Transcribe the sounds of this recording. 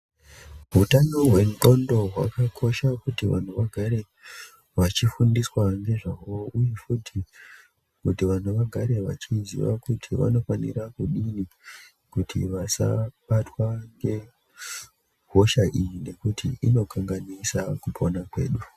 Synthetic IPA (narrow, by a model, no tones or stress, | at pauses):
ɦutano̞ɦwe̞nto̞ndo̞ɦwa̰kakʰo̞ʃakutiʋa̰n̤uʋaɡʱaɾe̞ | ʋat͡ʃifundiswaŋɡe̞ʐawo̞ujefutʰi | kutiʋan̤uʋaɡʱaɾe̞ʋa̰t͡ʃizḭʋa̰kutʰiʋa̰no̞fanḭɾakuɗini | kutʰḭʋasa̰ɓatwaŋɡe̞ | ɦo̞ʃaʔijine̞kutʰḭʔino̞kʰaŋɡanisakupʰo̞nakwe̞̰ːɗu